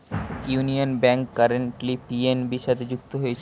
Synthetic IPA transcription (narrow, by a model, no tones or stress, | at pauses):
junionbɛŋkːaɾeɳʈlipienbiʃat̪ʰed͡ʑuk̚t̪oɦojet͡ɕʰ